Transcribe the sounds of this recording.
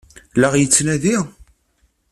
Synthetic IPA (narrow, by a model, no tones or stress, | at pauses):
ləʁjət͡sːnæði